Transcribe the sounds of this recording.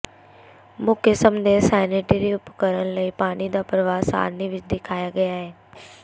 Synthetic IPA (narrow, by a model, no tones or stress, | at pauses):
mʊkʰəsəmd̪eːsaːneʈiɾiʊpkəɾəñləiːpaːɽ̃id̪aːpɾəʋaːsa̰ːɾniʋɪt͡ʃd̪ɪkʰaːjaːɡəjaːɦeː